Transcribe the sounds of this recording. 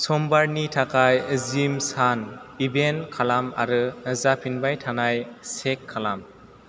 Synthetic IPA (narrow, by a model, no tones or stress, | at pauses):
sɔmbaɾnitʰakʰajzimsanibenkʰalama̰ɾɯɯzapʰinbajtʰanajsekʰːalam